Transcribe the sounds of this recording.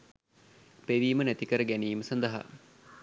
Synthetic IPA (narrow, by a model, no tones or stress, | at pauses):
peʋiːmənæt̪ikəɾəɡæniːməsɐnd̪ɐɦa̰